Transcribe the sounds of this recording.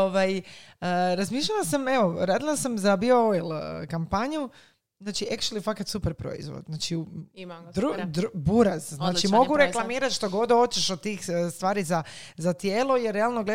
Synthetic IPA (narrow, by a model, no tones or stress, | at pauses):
oʋajəɾazmiːʃʎalasameʋo̞ɾaːd̪ilˠasamzabiooilˠkampaɲu | znaːt͡ʃiekʃlifakat̪supeɾpɾo̰ḭzʋo̰d̪znaːt͡ʃiud̪ɾud̪buɾazznaːt͡ʃimo̞ɡɡuɾeklˠamiːɾat̪ʃt̪oɡo̞d̪ot͡ʃeʃot̪iːxst̪ʋaːɾizazat̪jeːlˠo̞jeɾːe̞alˠnoɡle